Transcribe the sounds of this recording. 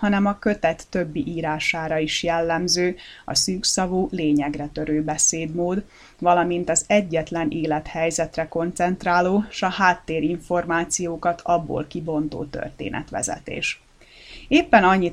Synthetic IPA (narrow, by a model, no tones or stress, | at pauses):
hɒnɛmɒkøt̪ɛt̪ːøbːiʔiːɾaːʃaːɾɒiʃjɛlːɛmzøːɒ̰syːksɒvuːleːɲɛɡrɛt̪ø̞ɾøːbɛseːd̪moːd̪ | vɒlɒmint̪ɒzɛɟːɛt̪lɛnʔeːlɛt̪hɛjzɛt̪rɛko̞nt̪sɛnt̪raːloːʃɒhaːt̪ːeːɾiɱfo̞rmaːt̪sijoːkɒt̪ʰɒbːo̰ːlkibo̞nt̪o̰ːt̪ø̰rt̪ḛːnɛ̰t̪ʋɛ̰zɛ̰t̪ḛːʃ | eːpːɛnɒɲːi